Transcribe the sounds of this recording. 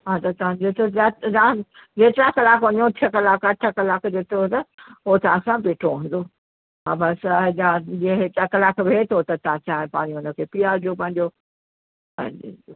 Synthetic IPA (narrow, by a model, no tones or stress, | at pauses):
ɦãːt̪ɐt̪ɐʋãd͡ʑot̪ʰozat̪zãd͡ʑeːt̪ɾakɐlaːkʋɐɲõt̪ʰiəkɐlaːkɐʈʰəkɐlaːkd͡ʑeːt̪ʰɾot̪ɐot̪ɐʋãsãbeːʈʰoɦũːnd̪o | ɦãːbɐsad͡ʑãd͡ʑeɦet̪akɐlaːkʋʱeːt̪ʰot̪ɐt̪ãt͡ɕaːɦẽpaːɽ̃iʊnə̆kʰeːpijad͡ʑopɐ̃ɦɪ̃ɲd͡ʑo | pɐ̃ɦɲo